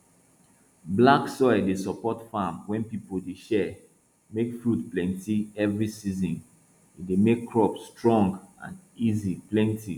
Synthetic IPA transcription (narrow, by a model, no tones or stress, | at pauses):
blaksɔɪdesɔpɔtfãmwɛ̃npipoldeʃɛ | mekfɹudplɛ̃ntiɛvɹisizɔ̃n | idemekʰːɹɔpstɹɔ̃ŋɡã̰n | iziplɛ̃ntʰi